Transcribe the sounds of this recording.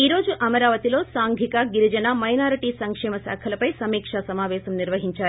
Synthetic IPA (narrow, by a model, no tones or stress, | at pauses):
iːɾo̞ːd͡ʒuʔɐmɐɾaːʋɐt̪ilo̞ːsaːŋɡʱikɐɡiɾid͡ʒɐnɐmɐjnaːɾiʈiːsɐŋkʂɛːmɐsa̰ːkʰɐlɐpɐjsɐmiːkʂɐsɐmaːʋɛːʃɐmniɾʋɐɦiɲt͡ʃaːɾu